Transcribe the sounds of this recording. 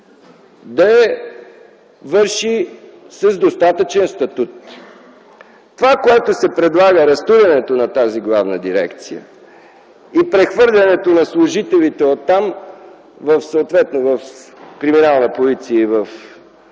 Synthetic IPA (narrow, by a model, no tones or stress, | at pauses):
d̪ɐɛ | vɤɾʃi | sɐzd̪ost̪at̪ət͡ʃɛnst̪ɐt̪ut̪ | t̪ovakoɛt̪osɛpɾɛd̪lˠaɡəɾɐst̪uɾɛnɛt̪onɐt̪aziɡlˠavnəd̪iɾɛ̰kt̪sijə̰ | ipɾɛxvɤɾlʲɐnɛt̪onɐslˠʊʒit̪ɛlit̪ɛot̪ːam | vəfsoot̪vɛt̪novəfkɾiminalˠnəpozit̪siəivəf